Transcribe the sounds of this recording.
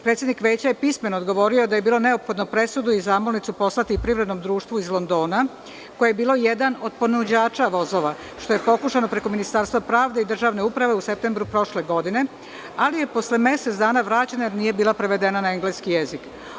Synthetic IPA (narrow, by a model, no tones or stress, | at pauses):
pɾet̪sʲjed̪nikʋe̞ːt͡ɕajepismenoːd̪ɡo̞ʋo̞ɾio̞d̪aje̞biːlˠo̞ne̞opxo̞d̪nopɾe̞sud̪uizaːmolnit̪supo̞slat̪ipɾiʋɾe̞d̪no̞md̪ɾuːʃt̪ʋuizlˠo̞nd̪o̞ːna | kojejebiːlo̞jed̪ano̞d̪̚po̞nud͡ʑaːt͡ʃaʋo̞zo̞ʋa | ʃt̪o̞jepo̞kuʃano̞pɾe̞ko̞minist̪aːɾst̪ʋapɾaːʋd̪e̞id̪r̩ʒaːʋne̞upɾaʋe̞use̞p̚t̪e̞mbɾupɾo̞ʃle̞ɡo̞d̪ine̞ | alije̞po̞sleme̞set̪d̪aːnaʋɾaːt͡ɕenajeɾnije̞biːlapɾeʋe̞d̪enanaeŋɡleskije̞zik